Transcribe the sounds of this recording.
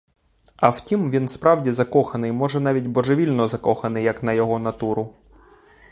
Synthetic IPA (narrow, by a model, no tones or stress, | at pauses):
ɐwtʲimʋʲinspɾɑwdʲizɐkɔxɐnɪjmɔʒɛnɑʋʲitʲbɔʒeʋʲilʲnɔzɐkɔxɐnɪjɐkn̪ɐjɔɦɔnɐt̪uɾʊ